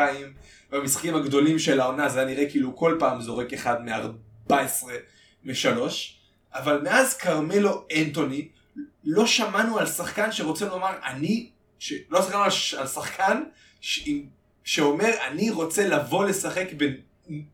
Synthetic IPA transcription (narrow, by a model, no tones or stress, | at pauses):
aim | bamisχḁkimhaɡdo̞limʃe̞lao̞nazejaniʁekiːluko̞lpaːmzo̞ʁekeχadmea̰ʁ | b̥aesʁe̞ | meʃalo̞ʃ | avalmeazkaʁmelo̞ento̞ni | lo̞ʃamanualsaχkanʃe̞ʁo̞t͡senomaʁa̰ni | ʃelosaχkanuaalsaχkʰan | ʃim | ʃe̞o̞me̞ʁaniʁo̞t͡selavo̞le̞saχe̞kben